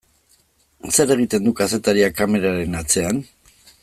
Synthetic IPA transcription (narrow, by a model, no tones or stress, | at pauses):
se̞ɾe̞ɣ̞it̪e̞nd̪ukase̞t̪aɾiakame̞ɾaɾe̞nat͡se̞an